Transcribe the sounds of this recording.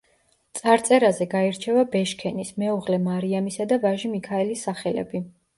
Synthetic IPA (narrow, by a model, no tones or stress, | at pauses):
t̪sʼaɾt̪sʼɛɾazɛɡaɛɾt͡ʃʰɛvabɛʃkʰɛnismɛuʁlɛmaɾiamisad̪avaʒimikʰaɛlisːaχɛlɛ̰bi